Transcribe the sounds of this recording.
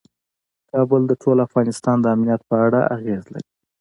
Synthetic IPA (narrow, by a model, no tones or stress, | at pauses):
kɑbʊld̪əʈʰolafɣɑnɪst̪ɑnd̪əamnijat̪̚pəaɽaaɣezla̰ɾi